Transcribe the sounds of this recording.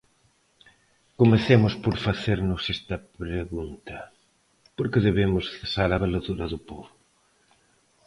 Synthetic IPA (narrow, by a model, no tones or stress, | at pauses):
komeθemʊspoɾfaθeɾnʊsɛst̪ɐpɾeɣunt̪ɐ | poɾkɪðeβemʊsθesaɾaβelaðuɾɐðʊpoβʊ